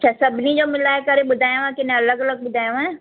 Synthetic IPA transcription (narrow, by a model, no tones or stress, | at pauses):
t͡ɕʰaːsɐbʱɪnid͡ʑoːmɪlaːekɐɾeɓʊd̪ʱaːjõãkɪnẽɐləɡɐləɡ̚ɓʊd̪ʱaːjõãe